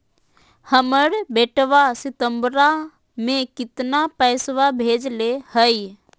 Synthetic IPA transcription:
həməɽbeːʈʋasɪt̪əmbɾa | mẽkɪt̪napɛːsʋabʱeːd͡ʒlehəj

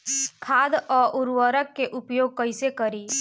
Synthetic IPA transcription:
kʰaːd̪ɔːɾʔʊɾwəɾəkːeʔʊpjoːɡ̚kəisekəɾiː

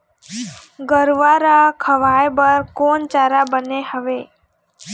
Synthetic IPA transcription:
ɡəɾʋaɾakʰəʋajbəɾkont͡ʃaɾabənehəʋe

